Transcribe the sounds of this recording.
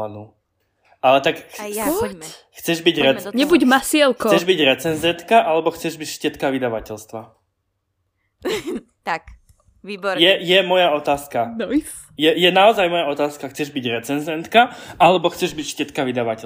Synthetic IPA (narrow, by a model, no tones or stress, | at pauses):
anuː | alɛt̪ak | xt͡sɛʒbiɟɾɛɲɛbuɟmasɪɛlkɔt͡sɛʒbiɟɾɛt͡sɛnzɛnt̪kaʔalɛbɔxt͡sɛʒbicfʃcɛt̪kaʋid̪aʋacɛʎst̪ʋa | ak | ibjɛjɛmɔjaɔt̪aːskan | jɛjɛnaɔzajmɔjaɔt̪aːskaxt͡sɛʒbiɟɾɛt͡sɛnzɛnt̪kaʔalɛbɔxt͡sɛʒbicfcɛt̪kaʋid̪aʋacɛ